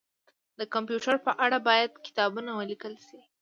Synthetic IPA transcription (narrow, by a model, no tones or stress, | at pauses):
d̪əkampjuʈaɾpəʔaɽabɑjad̪kɪ̥t̪ɑbunawəlikəlʃi